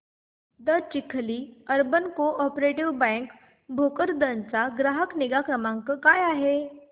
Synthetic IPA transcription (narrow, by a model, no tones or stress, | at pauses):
d̪əɾt͡ʃɪkʰːliəɾbənkoʔɔpɾeʈiʋbɛ̃ŋk | bʱokəɾd̪ənt͡saɡɾaːɦəknɪɡakɾəmãŋkəkaːjaɦe